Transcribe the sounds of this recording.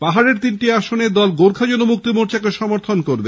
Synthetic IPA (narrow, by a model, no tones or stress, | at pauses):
paɦaɾeɾt̪inʈiaʃoned̪ɔlɡoɾkʰad͡ʑonomuk̚t̪imoɾt͡ɕakeʃɔmoɾt̪ʰonkoɾbe